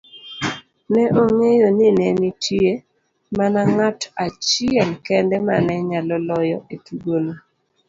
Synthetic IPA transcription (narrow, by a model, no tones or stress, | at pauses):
nɛʔoŋejonɪnɛnitje | manaŋatat͡ʃɪɛlkɛndɛmanɛɲalɔlɔjɔetuɡono